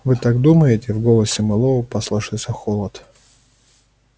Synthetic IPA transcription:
vɨt̪aɡ̚d̪uməjɪtʲɪvɡolˠəsʲɪmɨlˠovʊpɐslˠɐʂɨlˠsʲəxolˠət̪

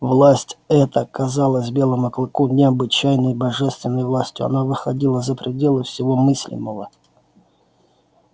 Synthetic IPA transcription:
vlˠasʲtʲɛt̪əkɐzalˠəsʲbʲe̞lˠɨmɐklˠɨkunʲɪɐbɨt͡ɕæjnəjbɐʐɛst̪vʲɪnːəjvlˠasʲtʲjʊɐ̰navɨxɐdʲilˠəzəpɾʲɪdʲe̞lˠəfsʲɪvo̞mɨsʲlʲɪ̰mːəvə

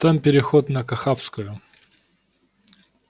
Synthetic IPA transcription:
t̪ampʲɪɾʲɪxot̪nəkɐxapskʊjʊ

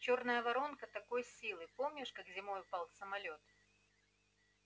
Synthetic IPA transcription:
t͡ɕornəjəvɐɾo̞nkət̪ɐko̞jsʲilˠɨpo̞mnʲɪʂkakzʲɪmo̞jʊpalˠsəmɐlʲo̞t̪

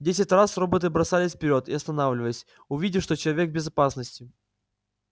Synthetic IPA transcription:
dʲesʲɪtʲrasro̞bət̪̬ɨbɾɐsalʲɪsʲfʲpʲɪɾʲo̞t̪ɪɐst̪ɐnavlʲɪvəlʲɪsʲ | ʊvʲidʲɪʂt̪o̞t͡ɕɪlˠɐvʲekbʲɪzɐpasnəsʲtʲɪ

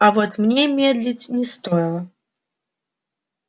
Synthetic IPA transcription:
avot̪mnʲemʲed̪lʲɪtʲnʲɪst̪ojɪlˠə

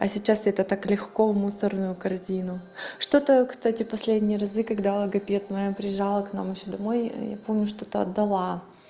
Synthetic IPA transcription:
ɐsʲɪt͡ɕːasɛt̪ət̪aklʲɪxko̞vmusərnʊjʊkɐrzʲinʊʂt̪o̞t̪əkst̪atʲɪpɐsʲlʲedʲnʲɪjəɾɐzɨkɐɡd̪alˠəɡɐpʲet̪mɐjapɾʲɪjɪʐalˠəknamjɪɕːod̪ɐmo̞j̰ja̰po̞mnʲʊʂt̪o̞t̪əɐ̰d̪ːɐlˠa

